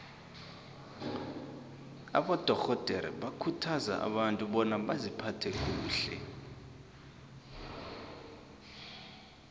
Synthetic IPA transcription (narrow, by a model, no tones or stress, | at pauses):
a̰ɓɔd̥ʱɔɣɔd̥ʱɛɾɛ̰ɓakʰutʰaza̰ʔa̰ɓantʼuɓɔnaɓazipʰatʰɛk̬ʼuːɬɛ̰